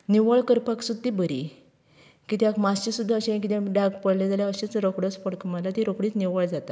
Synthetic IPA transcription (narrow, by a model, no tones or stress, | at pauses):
niʋəɭkəɾpaksud̪t̪ːibəɾḭ | kit̪jakmast͡ɕisud̪ʱːaəɕẽk̬it̪ẽɖaɡpəɽled͡zaljaəɕẽt͡sɾokɽəspəɽkəməlat̪iɾokɽiːt͡sniʋəɭd͡zat̪a